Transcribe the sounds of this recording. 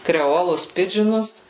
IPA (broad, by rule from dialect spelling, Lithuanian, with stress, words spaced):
krʲɛˈoːlˠʊs ˈpʲɪd͡ʒʲɪnʊs